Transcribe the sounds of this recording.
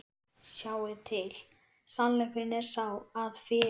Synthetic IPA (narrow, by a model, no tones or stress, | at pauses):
saːwɪt̪ʰɪl | sanlɛkɾɪnɛɾ̥sawaðfɪ